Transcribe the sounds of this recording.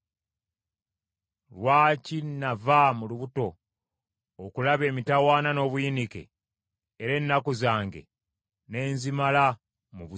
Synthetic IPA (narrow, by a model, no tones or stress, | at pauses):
lwaːcinavamuluβuto̞ | kulaβe̞ːmitawaːnano̞ːβujinikḛː | ɾe̞nːakuzaːŋɡe̞̰ | ne̞ːnzimala | muβu